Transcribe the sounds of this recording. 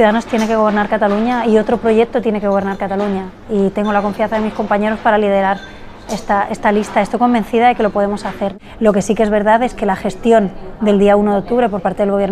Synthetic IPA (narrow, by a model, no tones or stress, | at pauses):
θjuðaðano̞st̪je̞neke̞ɣo̞β̞e̞ɾnaɾkat̪aluɲaio̞t̪ɾo̞pɾo̞ʝe̞k̚t̪o̞t̪je̞ne̞ke̞ɣoβe̞ɾnaɾkat̪aluɲa | it̪e̞ŋɡo̞lako̞ɱfianθaðe̞misko̞mpaɲe̞ɾo̞spaɾalið̞e̞ɾaɾ | est̪aʔe̞st̪alist̪aest̪o̞jko̞mbẽ̞nθiðaðe̞ke̞lopo̞ð̞e̞mo̞saθe̞ɾ | lo̞ke̞sike̞zβe̞ɾðaðe̞ske̞laxe̞st̪jo̞nd̪e̞ld̪iauno̞ðeo̞k̚t̪uβɾe̞po̞ɾpaɾt̪eðelɣo̞βje̞ɾ